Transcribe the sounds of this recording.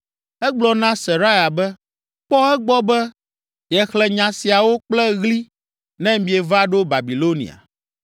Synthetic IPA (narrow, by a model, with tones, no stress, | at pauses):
ɛ˦ɡ͡blɔ˨nã˦se˨ɾa˦ja˨bɛ˦ | k͡pɔ˦ɛ˦ɡ͡bɔ˦bɛ˦ | jɛ˨xlɛ˨ɲã˨si˨a˨wo˦k͡plɛ˦ɣli˦ | nɛ̃˦mĩ˨e˨va˦ɖo˦ba˨bi˨lo˦nḭ˨a̰˨